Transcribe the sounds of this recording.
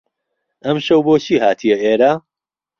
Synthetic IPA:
ɐmʃɐwboːt͡ʃʰiːhaːt̪ʰijɐeːɾaː

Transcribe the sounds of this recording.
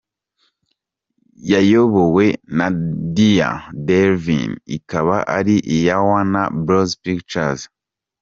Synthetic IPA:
jajoβo̞we̞nadija̰deɾvḭnḭkaβaʔaɾiʔijawanabɾozpikt͡ʃaz

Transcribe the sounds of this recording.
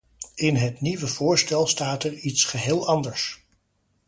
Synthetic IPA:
ɪnɦətniʋəv̥ʊːɹstɛlˠstaːtɛɹitsχəɦɪːlˠɑndəɹs

